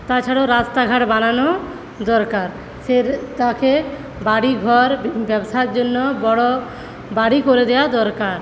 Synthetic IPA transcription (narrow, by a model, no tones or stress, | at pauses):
t̪at͡ʃʰaɽoɾast̪aɡʱaʈbanano | d̪ɔɾkaɾ | set̪ake | baɽiɡʱɔɾbɛbsaeɾd͡ʒonːobɔɽɔ | baɽikoɾed̪ɛad̪ɔɾkaɾ